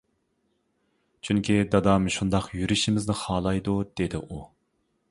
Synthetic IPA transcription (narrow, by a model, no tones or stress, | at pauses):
t͡ʃʰyŋkʲʰid̪ɑd̪ɑmʃund̪ɑqʰjyɾyʃimɪznɪχɑːlˠɑjd̪ud̪̥ed̪ɪʔu